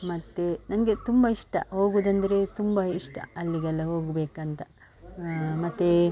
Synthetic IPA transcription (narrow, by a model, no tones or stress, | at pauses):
mɐt̪ːenɐnɡet̪umbɐiʂʈɐ̰ɦo̞ːɡuːd̪ɐnd̪ɐɾe̞t̪umbɐiʂʈɐ̰ɐlːiɡɐlːɐɦoːɡbeːkɐnt̪ɐ | mɐt̪ːe